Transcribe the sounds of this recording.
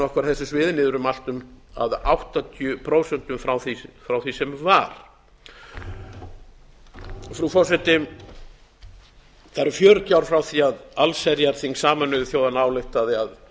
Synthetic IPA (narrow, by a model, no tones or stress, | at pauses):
ɔhkvaɾ̥θɛsːɪsvɪːðnɪːðʏɾʏmal̥t̪ʏma̰ðawht̪at̪ʰjʏpʰɾoːwsɛn̥t̪ʏmfɾawθifɾawθisɛmvaɾ̥ | fɾufɔrsɛt̪ɪ | θaɾfjœːɾʏt̪jawɾ̥fɾawθiaðalsɛɾjaɾ̥θiŋksaːmanʏvθjoːwðanaːwlɪjht̪aðɪað